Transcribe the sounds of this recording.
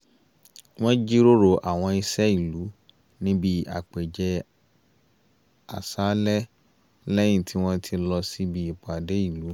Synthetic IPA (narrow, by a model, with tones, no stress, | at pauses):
w̃ɔ̃˦d͡ʒi˦ɾo˦ɾo˨ʔa˨w̃ɔ̃˧i˧sɛ˦i˨lu˨˦ | nĩ˦bi˦a̰˨k͡pe˨d͡ʒɛ˧ | a˨sa˨˦lɛ˦ | lɛ˦j̃ĩ˦˨tʰi˨˦w̃ɔ̃˦tʰi˧lɔ˧si˦bi˦i˨k͡pa˨de˨˦i˦˨lu˨˦